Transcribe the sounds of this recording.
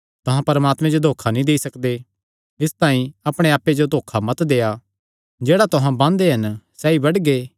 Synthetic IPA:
t̪ʊɦãpɐɾmaːt̪mẽd͡ʒod̪ʱoːkʰanĩd̪eːisɐkd̪e | ɪst̪ãːĩɐpɽ̃eaːpːed͡ʒod̪ʱoːkʰamɐt̪d̪eːa | d͡ʒeːɽat̪ʊɦãbãːnd̪eɦɐnsɛibɐɽɡeː

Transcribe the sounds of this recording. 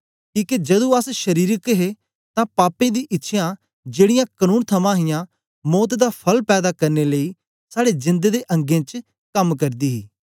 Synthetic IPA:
kiːked͡ʒɐd̪ũəsʃəɾiːɾəkɦe | t̪ãpaːpẽːd̪iːʔɪtːʃʰjã | d͡ʒeːɽɪjãːkənuːnt̪ʰəmãːɦɪjãː | mɔːt̪d̪apʰɐlpɛːd̪aːkɐɾneləiː | saːɽed͡ʒɪ̃nd̪ed̪eʔɐ̃ŋɡẽːt͡ʃ | kɐmkɐɾd̪iːɦiː

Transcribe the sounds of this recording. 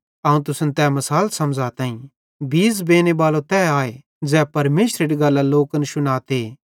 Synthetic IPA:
ɐːũt̪̬ʊsənt̪ɛmɐsaːlsɐmd͡zat̪ãːĩ | biːsbeːnebaːlot̪ɛːaːe | d͡ʒɛːpɐɾmeːʃɾeɽiɡɐlːaloːkənʃʊnaːt̪eː

